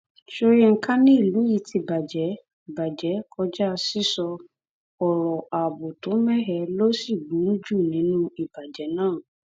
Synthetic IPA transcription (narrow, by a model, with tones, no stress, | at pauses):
ʃo˧ɾi˦ŋ̩˦ka˦nĩ˦i˦˨lu˨˦i˦˧ti˧ba˨d͡ʒɛ˨˦˨ | ba˨d͡ʒɛ˨˦kʰɔ˧d͡ʒa˦˧si˦sɔ˧ | ɔ˨ɾɔ˨ʔa˨bu˨tũ˨˦mɛ˦ɦɛ˧˦lo˦si˦˨ɡ͡bu˨˦u˦d͡ʒu˦˨nĩ˨˦nũ˦i˨b̥a˨d͡ʒɛ˨˦nãː˦˨